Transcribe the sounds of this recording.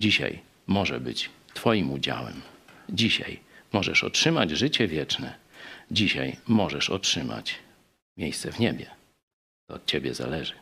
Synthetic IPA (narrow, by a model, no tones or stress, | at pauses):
d͡ʑiɕa̰j | mɔʐɛ̰bɘt͡ɕ | t̪fɔjimud͡ʑa̰wɛ̰md͡ʑiɕa̰jmɔʐɛ̰ʂɔ̰tʂɘmad͡ʑʐɘt͡ɕɛvʲjɛt͡ʂnɛd͡ʑiɕajmɔʐɛʂɔtʂɘma̰t͡ɕ | mʲjejst̪sɛvɲebʲjɛ | t̪ɔːt̪̚t͡ɕebʲjɛza̰lɛʐɘ